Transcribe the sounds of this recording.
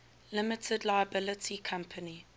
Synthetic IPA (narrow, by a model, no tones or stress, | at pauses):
lɪmɪtʰədlaɪəbɪlɪtʰikʰãmpʰəni